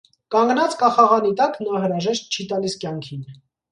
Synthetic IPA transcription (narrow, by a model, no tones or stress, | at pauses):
kɑŋɡnɑt͡skɑχɑʁɑnit̪ɑknɑɦəɾɑʒɛʃt̪̚t͡ʃʰit̪ɑliskjɑŋkʰin